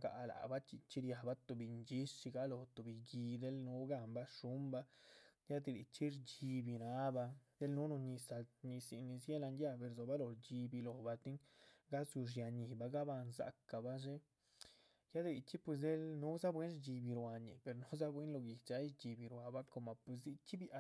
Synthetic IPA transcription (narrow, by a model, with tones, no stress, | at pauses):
ɡa̰˨la̰˨ba˦t͡ʃi˧t͡ʃi˦ɾja˧ba˦t̪o˨bi˧ɲd͡ʒi˦ʂt͡ʃi˧ɡa˦lo˨t̪o˨bi˧ɡi˧d̪e˦lnu˦ɡa˦˧mba˦ʂu˦mba˧˦ja˦d̪i˧˨lḭ˨t͡ʃi˦ɾt͡ʃi˧bi˧ɾa˦ba˧d̪̥e˦lnu˦no˧ɲi˧sa˧ɲi˧si˧ni˧sje˦la˧nd̪ja˦be˧ɾzo˨ba˦lo˧˨ɾd͡ʒi˧bi˧lo˨ba˧t̪i˦ŋɡa˦zu˧ʂ̬ja˧ɲi˨ba˧ɡa˦ba˧nza̰˧ka˨ba˦ʐe˦ | ja˦d̪e˧li˧t͡ʃi˦pwe˧s̬d̪e˦lnu˦za˦bwe˦nd͡ʒi˧bi˧ɾwa˧ɲḭ˨pe˨ɾno˦za˦bwe˦nlo˧ɡi˨t͡ʃa˧˦i˦t͡ʃi˧bi˧ɾwa˨ba˦ko˧ma˨pwe˧s̬d̪i˧t͡ʃi˦bja˧